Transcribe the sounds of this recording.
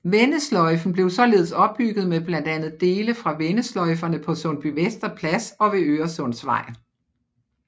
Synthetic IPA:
ʋenəslɒ̽ɪfn̩b̥le̝ʊsɒ̽le̝̰ːð̞ˠsɒ̽b̥̚ːyɡ̥ð̞̩ˠmeb̥lænd̥ænð̞̩ˠd̥e̝ːləfʁɑ̈ʋenəslɒ̽ɪfɐnəpʰɒ̽sɔ̽nb̥yʋesd̥ɐpʰlæsɒ̽ʋe̝øːɐsɔ̽n̰sʋɑ̈ɪ̰n

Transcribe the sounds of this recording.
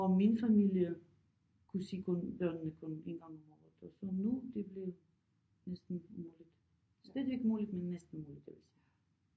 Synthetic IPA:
ɒmminfæmiljə | kʰusiːkʰɔ̽nb̥ɶɐnənəkʰɔ̽ne̝nɡ̥ɑ̈ŋɔmɒːð̩ˠɒsɒnud̥e̝b̥le̝ | nesd̥n̩muːlid̥ | sd̥ɛːdˠʋeɡ̥muːlid̥menːesd̥n̩muːlid̥eʋisi

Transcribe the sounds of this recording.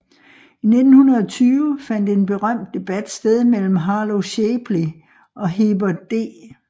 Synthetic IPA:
ine̝d̥n̩hunɐð̞̩ˠɒ̽t͡sʰyːʊəfæn̰d̥ie̝nb̥e̝ʁɶm̰d̥̚ːe̝b̥æd̥sd̥eð̞ˠmel̰m̩ɦɑ̈ːloɕeb̥li | ʔɒ̽ɦeb̥ɐd̥e̝̰ː

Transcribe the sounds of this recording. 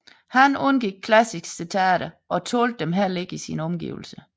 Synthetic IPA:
hænɔnɡ̥iɡ̥̚kʰlæsiɡ̥sit͡sʰæɾ̥ɐʔɒ̽t͡sʰo̝̰ːld̥emɦeɐle̝ɡ̥isinɒ̽mɡ̥ḭːʊl̩sə

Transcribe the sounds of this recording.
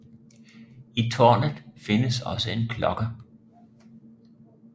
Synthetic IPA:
it͡sʰɔ̰ːnð̩ˠfe̝nəsɒ̽səe̝nkʰlɒ̽ɡ̥ɐ

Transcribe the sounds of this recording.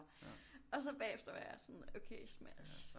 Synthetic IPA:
ɒ̽s̬ɒ̽b̥ɛ̰ːefd̥ɐʋæjɑsɒnoʊkʰesmæʃ

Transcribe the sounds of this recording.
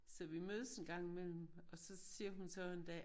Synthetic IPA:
sɒ̽ʋimøːð̞ˠəsenɡ̥ɑ̈ŋ̰imel̰m̩ | ɒ̽sɒ̽siːɐɦunsɒend̥ɛ̰ː

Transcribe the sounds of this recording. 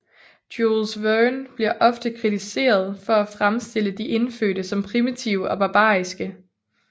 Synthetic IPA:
d̥olsʋønb̥liɐʔɒ̽fd̥əkʰʁit͡sʰise̝̰ːɐð̞ˠfɒ̽æfʁamsd̥e̝l̰əd̥iʔe̝nfø̰ːɾəsɒ̽mpʰʁimit͡sʰiʊəɒ̽b̥ɑ̈b̥ɑ̰̈ːisɡ̥ə

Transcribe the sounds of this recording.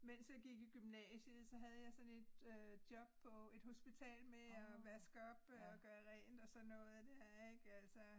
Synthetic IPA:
mensjɑ̈ɡ̥iɡ̥iɡ̥ymnɛ̰ːɕəð̩ˠsɒ̽ɦæð̞ˠjɑ̈ɪsɒ̽ne̝d̥ød̥jɒ̽b̥̚pʰɒ̽e̝d̥ho̝sb̥it͡sʰɛ̰ːlmeɒʋæsɡ̥ɒ̽b̥ɒɡ̥ɶːɐʁɛ̰ːnd̥ɒ̽sɒ̽nːɔ̽ːð̩ˠd̥æɐɐɐ̰eɡ̥æl̰sɐ

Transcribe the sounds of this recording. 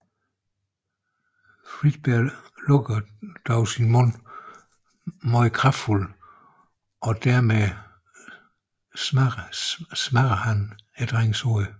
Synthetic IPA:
fʁid̥̚b̥ællɔ̽ɡ̥ɐd̥ɒʊsinmɔ̽n̰ | mɒɪkʰʁɑful | ɒ̽d̥æɐme | m | smæɡ̥ɐhæned̥ʁeŋsɔ

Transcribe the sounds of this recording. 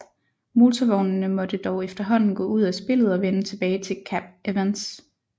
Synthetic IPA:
molt͡sʰɐʋɒʊnnəmɒ̽d̥əd̥ɒʊefd̥ɐɦɒ̽n̰n̩ɡ̥ɔ̰̽ːuð̞̰ˠæsb̥e̝l̰ð̞̩ˠɒ̽ʋenət͡sʰe̝b̥ɛːɪt͡sʰe̝kʰæb̥̚eʋens

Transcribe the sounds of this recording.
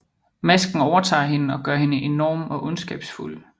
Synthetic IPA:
mæsɡ̥n̩ɒʊɐt͡sʰɑ̰̈ːɦe̝nəɒ̽ɡ̥ɶɐɦe̝nəʔe̝nɒːmɒ̽ʔɔ̽nsɡ̥ɛ̰ːb̥sful

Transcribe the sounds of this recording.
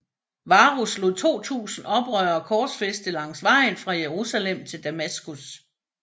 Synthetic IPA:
ʋɑ̈ʁuslo̝ðˠt͡sʰo̝̰ːt͡sʰṵːsn̩ɒ̽b̥ʁœɐkʰɒ̥ːsfesd̥əlɑ̈ŋ̰sʋɑ̈ɪ̰nfʁɑ̈jeʁusælem̰t͡sʰe̝ld̥æmæsɡ̥us

